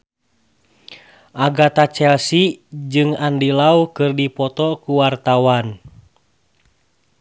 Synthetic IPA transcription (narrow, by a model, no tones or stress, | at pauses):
ʔaɡat̪at͡ʃɛlsid͡ʒɨŋandilaukɨrdipɔt̪ɔkuwart̪awan